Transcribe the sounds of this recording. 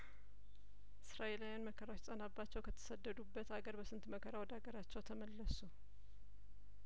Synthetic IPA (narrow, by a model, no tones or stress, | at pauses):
ʔɨsɾaʔelajanməkʰəɾawot͡ʃsʼənabːat͡ʃːɛwkʰət̪ʰə̥səd̪ːəd̪ubːət̪aɡəɾbəsɨnt̪məkʰəɾawɔd̪aɡəɾat͡ʃːɛwt̪ʰəməlːəsu